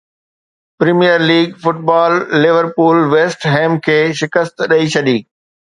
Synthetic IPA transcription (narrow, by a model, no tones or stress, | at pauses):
pɾiːmijəɾliːɡfʊʈ̚baːlːɪʋəɾpuːlʋeːsʈɦɛ̃ːmkʰeːʃɪkəst̪ɗɐit͡ɕʰɐɗ̪iː